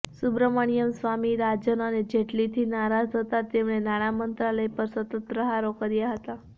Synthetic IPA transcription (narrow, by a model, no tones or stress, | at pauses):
subɾəməɳ̃ijəmsʋamiɾad͡ʒənəned͡ʒeʈlit̪ʰinaɾad͡ʒɦət̪at̪emɳ̃enaɽ̃amənt̪ɾaləjpəɾsət̪əɾəɦaɾokəɾjaɦət̪a